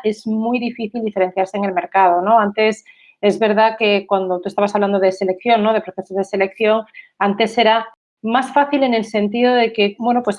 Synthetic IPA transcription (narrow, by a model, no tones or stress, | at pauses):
e̞zmujðifiθild̪ife̞ɾen̟θjaɾseːŋelme̞ɾkað̞ono̞ant̪e̞s | e̞zβe̞ɾðake̞kwand̪ot̪uest̪aβas̬aβland̪oð̞e̞se̞le̞k̚θjo̞ŋno̞ðe̞pɾoθe̞sozðe̞se̞lekθjo̞ŋant̪e̞se̞ɾa | masfaθile̞ne̞lsẽ̞nt̪iðo̞ðe̞ke̞bwe̞nopwe̞s